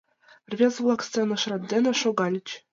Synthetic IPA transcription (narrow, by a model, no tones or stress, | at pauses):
rʲvʲezvlˠɑkst͡senɤ̆ʂrɑt̪̚ʲd̪ʲenʲɘ̆ʂoɡɑlʲɘ̆t͡ɕ